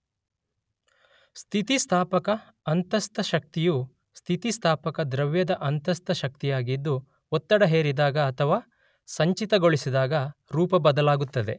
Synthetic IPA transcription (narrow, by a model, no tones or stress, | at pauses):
st̪ʰit̪ist̪ʰaːpɐkɐː | nt̪ɐst̪ɐʃɐk̚t̪ijuː | st̪ʰit̪ist̪ʰaːpɐkɐd̪ɾɐʋjɐd̪ɐʔɐnt̪ɐst̪ʰɐʃɐk̚t̪ijaːɡid̪ːu | ɔt̪ːɐɽɐɦeːɾid̪aːɡɐːt̪ʰɐʋaː | sɐɲt͡ʃit̪ɐɡoɭisid̪aːɡɐɾuːpɐbɐd̪ɐlaːɡut̪ːɐd̪e̞